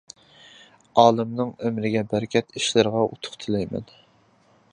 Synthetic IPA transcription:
ɑːlˠɨmnɨŋømɾɪɡʲɛbæɾkʲʰɛt̪ʰiʃlɪɾəʁɑʔṵt̪ʰʊ̥χt̪ʰɨlˠɛjmɛ̰n

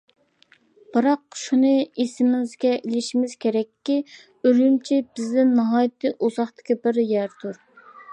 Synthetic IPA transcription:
b̥ɨɾɑqʃunɨisɪmzɡʲɛʔilɪʃimɪz̥kʲeɾɛkʲʰːi | øɾynt͡ʃʰibɪzd̪ɪnːɑɦɑːjɪt̪ʰːɨʔuzɑχt̪ɪ̥kʲibɪɾjæɾt̪ʰuɾ

